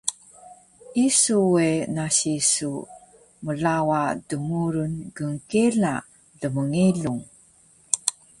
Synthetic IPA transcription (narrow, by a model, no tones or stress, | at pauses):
isuwenaɕisu | məɮawadəmuɾunɡəŋkela | ɮəməŋiɮuŋ